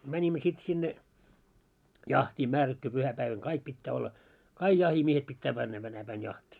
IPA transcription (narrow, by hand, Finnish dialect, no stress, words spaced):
mænʲimːø sit sinːe jɑhtiː mærætːu puhæpæiʋæŋ kɑik pitːæː olːɑ kɑiɡ̊ jɑhimiehet pitːæ mænːæ tænæ pæin jɑhtʲiː